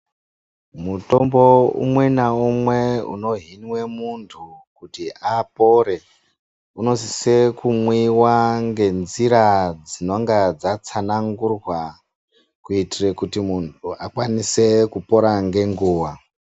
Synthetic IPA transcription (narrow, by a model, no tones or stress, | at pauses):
muto̞mbo̞ṵmwe̞naumwe̞ṵno̞ɦinwe̞muntʰukutiapo̞ɾe̞ | uno̞si̥sekumwiwaŋɡe̞nziɾad͡zino̞ŋɡad͡zat͡sanaŋɡurwa | kuitirekutimuntʰuakwanise̞kupo̞ɾaŋɡe̞ŋɡuːwa